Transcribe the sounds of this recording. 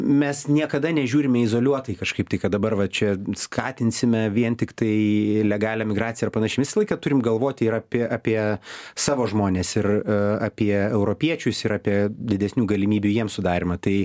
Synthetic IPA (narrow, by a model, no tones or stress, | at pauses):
mʲɛsnʲiɛkɐd̪ɐnʲɛʒʲuːɾʲɪmʲɛɪzoːlʲuɔt̪ɐɪkɐʃkɐɪp̚t̪ɐɪkɐt̪̚d̪ɐbɐrʋɐt͡ʃʲɛskʰɑːt̪ʲɪnʲsʲɪmʲɛʋʲiɛnt̪ʲɪkt̪ɐɪlʲɛɡɑːlʲɛmʲɪɡɾɑːt͡sʲɪjɛɐrpɐnɐʃʲɛɪʋʲɪsɐlˠɐɪkɐt̪ʊɾʲɪmɡɐlˠʋoːt̪ʲɪɪɾɑpʲiɛʔɑːpʲiɛsɑːʋoːʒmoːnʲeːsɪrɑːpʲiɛɛʊɾoːpʲiɛt͡ʃʲʊsɪɾɑːpʲiɛd̪ʲɪd̪ʲɛsʲnʲuːɡɐlʲɪmʲiːbʲujiɛmsʊd̪ɑːɾʲɪmɐt̪ɐɪ